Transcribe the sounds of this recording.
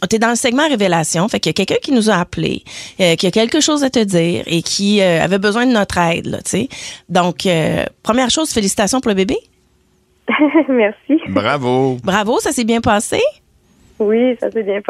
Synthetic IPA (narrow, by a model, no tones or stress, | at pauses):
t̪ɛd̪ɑ̃ləsɛɡmɑ̃ʁevelasjɔ̃fɛkjakʲɛlkʲœ̃kʲinuzaːplḛøkʲiakʲɛlkəʃɔːzat̪əd̪ziːʁekʲʰiøa̰vɛbəzwɛ̃d̪ənɔt̪χɛɪd̪lʌ̰t̪sed̪ɔ̃kʰø̰pχəmjɛːʁʃoʊz̥felisi̥t̪asjɔ̃puʁləbebe | mɛʁsiʁavobʁavosasebjɛ̃pɑːse | wisa̰sɛbjɛ̃